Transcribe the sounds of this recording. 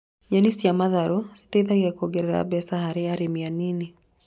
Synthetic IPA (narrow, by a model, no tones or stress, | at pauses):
ɲanisjamaðaɾɔsi̥tɛiðaɣɛkoɡɛɾɛɾa̰bɛsahaɾeaɾemianine